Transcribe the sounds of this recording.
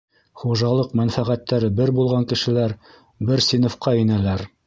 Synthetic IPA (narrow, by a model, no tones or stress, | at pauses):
χuʒɑlˠɤqmænfæʁæt̪ːæɾɘbɘɾbulˠʁɑŋkɘ̆ʃɘ̆læɾ | bɘɾsʲinŏfqɑĭnælæɾ